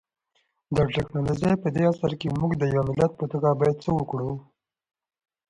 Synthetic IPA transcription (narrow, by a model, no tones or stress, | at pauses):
d̪aʈɪknɑlod͡ʒəjpəd̪easaɾkemuɡd̪əjawmɪlat̪̚pət̪uɡabɑjad̪̚t͡səwəkɽu